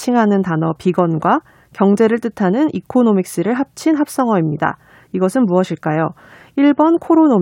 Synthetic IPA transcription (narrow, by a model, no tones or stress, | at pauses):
t͡ɕʰiŋɦanɯntanʌpiɡʌnɡwa | kjʌŋd͡ʑe̞ɾɯɭt͈ɯtʰanɯnikʰonomik̚s͈ɯɾɯɭɦap̚t͡ɕʰinɦap̚s͈ʌŋʌimɲida̰ | iɡʌsʰɯnmuʌɕʰiɭk͈ajo | iɭbʌnkʰoɾonom